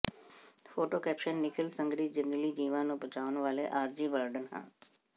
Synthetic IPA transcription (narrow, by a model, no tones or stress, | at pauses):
pʰoːʈoːkɛːpʃənːɪkʰəlsə̃ŋɡɾiːd͡ʒəŋɡliːd͡ʒiːʋãːnũːpət͡ʃaːʊənʋaːleːʔaːɾd͡ʒiːbəːɾɖənɦã̰ː